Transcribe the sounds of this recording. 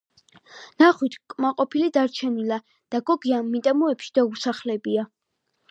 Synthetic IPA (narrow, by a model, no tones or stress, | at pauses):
naχwit̪ʰkʼmaqʼɔpʰilid̪aɾt͡ʃʰɛnila | d̪̥aɡɔɡianmit̪ʼɛmɔɛpʃi̥d̪̥ausaχlɛbia